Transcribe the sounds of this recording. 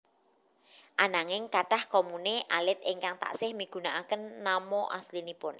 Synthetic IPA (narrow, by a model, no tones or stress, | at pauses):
ʔanaŋɪŋkaʈahkɔmuneʔalɪt̪̚ɪŋkaŋt̪a̰ʔsɪhmiɡ̥ṳnaʔakənːamɔʔaslinipʊn